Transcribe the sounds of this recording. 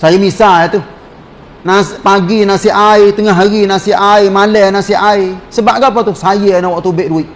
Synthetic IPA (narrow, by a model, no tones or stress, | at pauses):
sajəmisajɛt̪u | napaɡinasiʔait̪əŋaɦaɣinasiaimalənasiʔaisəbaʔɡap̬at̪usajənawɔʔt̪ubeʔduiʔ